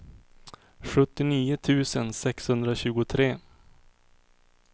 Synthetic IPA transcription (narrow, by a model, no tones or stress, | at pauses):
ɧɵt̪ːɪniːʊt̪ʰʉ̟ːsənsɛkshɵnd̪ɾaɕʉ̟ːɡʊt̪ʰɾeː